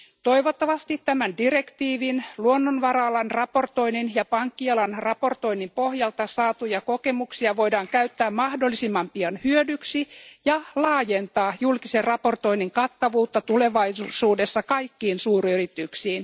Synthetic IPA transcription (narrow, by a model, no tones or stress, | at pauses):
t̪o̞iʋot̪ːɑʋɑst̪it̪tæmændirekt̪iːʋinluonːonʋɑrɑlɑnrɑpo̞rt̪o̞ininjɑpɑŋkːiɑlɑnrɑpo̞rt̪o̞inːimpo̞hjɑlt̪ɑsɑːt̪ujɑko̞ke̞muksiɑʋo̞jdɑːŋkæyt̪ːæːmmɑhdolːisimːɑmpiɑnhyødyksijɑlɑːje̞nt̪ɑːjulkiserrɑpo̞rt̪o̞iniŋkɑt̪ːɑʋuːt̪ːɑt̪ule̞ʋɑjsuːde̞sːɑkɑjkːiːnsuːryrit̪yksiːn